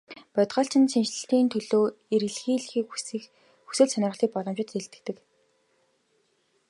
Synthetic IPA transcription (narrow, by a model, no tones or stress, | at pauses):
pœt̪ʁɔːɬt͡ɕɪ̆nsint͡ɕɮɘ̆ɬt̪iːnt̪ʰɵɮoːeɾɘ̆ɮxiːɮxiːkː | xu̥sɘ̆ːɮsœnʲɪ̆rʁə̆ɮiːk̚pɔɮɞ̆mt͡ɕɪ̆t̪eɬt̪ɘ̆k̚t̪ɘ̆k